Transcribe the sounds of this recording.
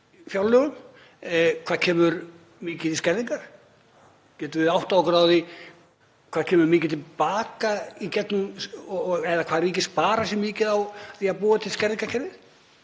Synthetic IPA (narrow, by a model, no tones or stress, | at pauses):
fjawlːœɣʏm | kʰvaːð̥cʰɛːmʏɾ | mɪːcɪɪscɛɾðiŋkaɾ̥ | cɛːt̪ʏɪðawht̪aɔkɾaːwðɪ | kʰv̥ḁːcʰɛːmʏɾmɪːcɪt̪ʰɪlpaːkaicɛt̪nʏmɔɛðakʰvaːðriːcɪspaːɾasjɛmɪːcɪðawθiaðpuːat̪ʰɪlskɛɾðiŋkacʰɛɾvɪð